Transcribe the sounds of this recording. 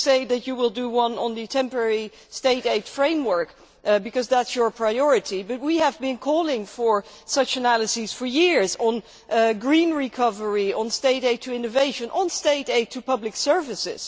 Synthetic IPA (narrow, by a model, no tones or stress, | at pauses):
seɪðɨt͡ʃɨwɪlˠdɨwʌ̃nə̃nðɨtʰɛ̃mpə˞ɛɹi | steɪɾeɪd̥fɹẽɪ̃mwɜ˞k | bɨkʌzðætsjə˞pʰɹ̥aɪɔɹɨɾibʌt̚wiəvbɨ̃nkʰɔlˠɪ̃ŋfə˞sʌt͡ʃɨnælˠəsiz̥fə˞jɪɹzn̩ | ɡɹĩnɹikʰʌvə˞iə̃nsteɪɾeɪtʰɨɪ̃nɨveɪʃɨ̃nʔə̃nsteɪɾeɪtʰɨpʌblɨksɜ˞vɨsɪ̰z̥